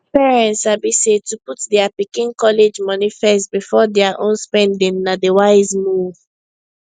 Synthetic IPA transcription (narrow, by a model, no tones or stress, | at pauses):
pɛɹɛ̃ntsabisetuputdɛapikĩnkɔled͡ʒmɔnifɛstbifɔdɛaʔõnspɛ̃ndĩnnadewaɪzmu